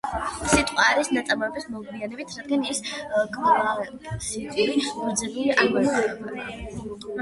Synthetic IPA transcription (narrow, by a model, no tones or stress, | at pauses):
sit̪ʼqʼwaːɾisnat̪sʼamɔɛbismɔɡlianɛbit̪ʰɾad̪̚ɡaniskʼvava | sit̪ʼiiuɾd̪zɛbuliʔamɔɾaɛba